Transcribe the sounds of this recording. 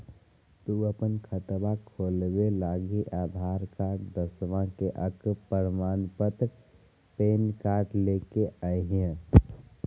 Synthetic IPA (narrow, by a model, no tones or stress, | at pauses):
t̪uəpənkʰət̪bakʰoːlbelaːɡiʔaːd̪ʱaːɾkaːʈd̪əsʋãkeʔəkpəɾmaːnpət̪ək | peːnkaːʈleːkeʔaiɦẽ